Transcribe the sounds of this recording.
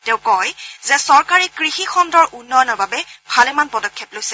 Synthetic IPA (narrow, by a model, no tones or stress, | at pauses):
tɛʊ̃kɔjzɛsɔɹkaɹikɹixixɔndɔɹʔunːɔjɔnɔɹbabɛbʱalɛmanpɔdɔkʰːɛplojsɛ̥